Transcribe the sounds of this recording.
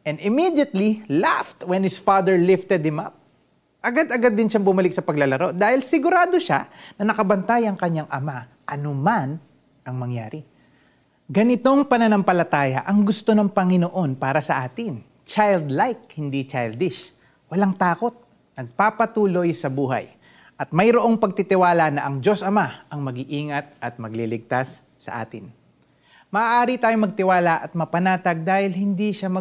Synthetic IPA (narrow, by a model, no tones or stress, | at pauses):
ʔɛnd̪ɪmid̪jɐt̪lilaft̪wɛnhɪsfaːd̪ɛɹlɪft̪ɛd̪̚hɪmɐ̰p̚ | ʔɐɡad̪ɐɡad̪ːɪnʃaŋbʊmɐlɪk̚sɐpɐɡlɐlɐɾo̞d̪aːhɪlsɪɡʊɾaːd̪o̞ʃa̰nɐnɐkɐbɐnt̪ajɐŋkɐɲaŋʔɐma | ʔɐnoman | ʔɐŋmɐŋjaːɾɪ | ɡɐnɪt̪o̞ŋpɐnɐnɐmpɐlɐt̪aːjɐʔɐŋɡʊst̪o̞nɐŋpɐŋɪnoʔo̞npaːɾɐsɐʔaːt̪ɪŋ | t͡ʃajld̪lajk̚hɪnd̪it͡ʃajld̪ɪʃ | wɐlaŋt̪aːko̞t̪̚ | nɐɡ̚papɐt̪uːlo̞jsɐbuːɦɐ̰j | ʔɐt̪̚mɐjɾoʔo̞ŋpɐɡ̚t̪it̪ɪwaːlɐnɐʔɐŋd͡ʒo̞sɐmaʔɐŋmɐɡɪʔiːŋɐt̪̚ʔɐt̪̚mɐɡlilɪɡ̚t̪asː | ɐ̰ʔa̰ːt̪ɪn | mɐʔaʔaːɾit̪aːjomɐɡ̚t̪ɪwaːlɐʔɐt̪̚mɐpɐnaːt̪ɐɡ̚d̪aːhɪlhɪnd̪iʃamɐ